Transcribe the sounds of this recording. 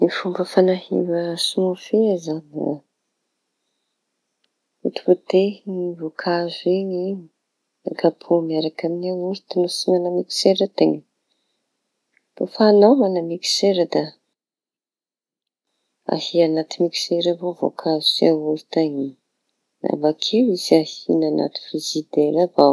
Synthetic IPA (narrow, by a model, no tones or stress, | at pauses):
mifumbəfanahḭvəsimofeazana̰ | ut̪i̥vot̪evokʰazuiɲi | a̰kapʰomiaɾakaminaulut̪ənosimanamiki̥seɾət̪eɲə | b̥afanawmanamiki̥seɾəd̪a | a̰hianat̪imiki̥seɾavovo̰kʰazuseaulu̥t̪aɲi | na̰vakʰewizahinana̰t̪i̥fizid̪elava